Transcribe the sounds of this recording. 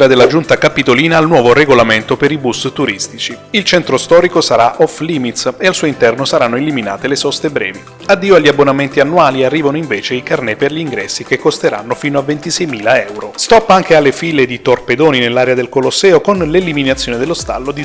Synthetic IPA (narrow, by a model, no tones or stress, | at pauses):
ɾad̪elːad͡ʒunt̪akapːit̪oliːnaːlnwɔːvoreɡolament̪opeɾibust̪uɾist̪it͡ʃiilt͡ʃɛnt̪ɾost̪ɔːɾikosaɾaʔɔfliːmit̪sealsuːoint̪ɛrnosaɾanːoelimina̰ːt̪elesɔst̪ebɾɛ̰ːvi | ad̪ːiːoaʎːiabːonament̪ianːuaːliarːiːvanoiɱveːt͡ʃeikarnɛperʎiŋɡɾɛsːikekːost̪eɾa̰nːofiːnoavːent̪isɛjmiːlaɛwɾost̪ɔpːaŋk̟ealːefiled̪it̪orped̪oːninelːaːɾead̪elkolosːɛːokonleliminat̪sːjoːned̪elːost̪a̰lːod̪i